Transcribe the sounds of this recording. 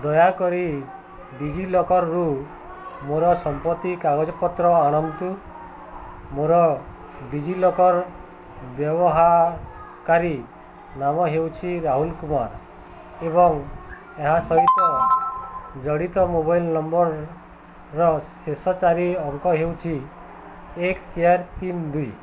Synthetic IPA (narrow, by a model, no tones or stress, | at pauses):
d̪ɔjakɔɾi | ɖid͡ʒilɔkɔɾːu | moɾɔsɔmpɔt̪ːikaɡɔd͡ʒɔpɔt̪ɾɔaɽ̃ɔnt̪u | moɾɔ | bid͡ʒilɔkɔɾ | bjɔbɔɦa | kaɾi | namɔɦewt͡ʃʰiɾaɦulkumaɾ | eβɔŋ | eɦasɔɦit̪ɔ | d͡ʒɔɽit̪ɔmoβajlnɔmbɔɾː | ɔsesɔt͡ʃaɾiɔŋkɔɦewt͡ʃʰi | ekt͡ʃiaɾt̪ind̪ui